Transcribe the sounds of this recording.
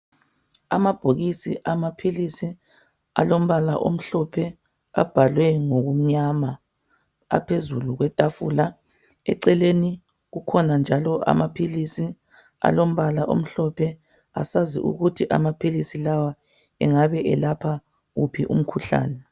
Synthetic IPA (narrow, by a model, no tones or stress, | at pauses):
amab̥ʱoɣisḭʔamapʰilisi | a̰lom̩βala̰ʔo̰m̩ɬɔpʰɛ | a̰b̥ʱalwɛŋoɣuɲama | a̰pʰezuluɣwɛtʼafula | ɛ̰ǀɛleni | ɣukʰɔnand͡ʒʱalɔʔa̰mapʰilisi | a̰lom̩βala̰ʔo̰m̩ɬɔpʰɛ | a̰sazḭʔṵɣutʰiʔa̰mapʰilisilawa | ɛŋaβɛʔɛlapʰa | ɣupʰiʔṵm̩kʰuɬa̰ːnɛ